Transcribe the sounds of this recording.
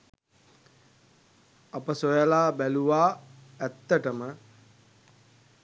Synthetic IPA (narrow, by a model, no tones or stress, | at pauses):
apəsojəlaːbæluʋaː | æt̪ːəʈəmə